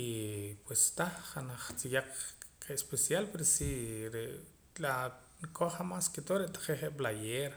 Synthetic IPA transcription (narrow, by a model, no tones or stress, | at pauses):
ipwest̪aχχanaχt͡sijaq͡χqeʔespesjalpeɾosiɾeʔ | la | nkʰoχamasket̪oɾeʔt̪ḁq͡χeχeʔblajeːɾ